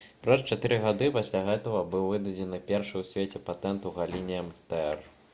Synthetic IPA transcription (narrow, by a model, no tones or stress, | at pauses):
pɾɐst͡ʃat̪ɨɾɨɣad̪ɨpasʲlʲaɣɛt̪ɐɣɐbɨwvɨd̪ɐd͡zʲɛnɨpʲɛrʂɨwsʲvʲet͡sʲɛpat̪ɛnt̪uɣalʲinʲijɐmt̪ɛɛr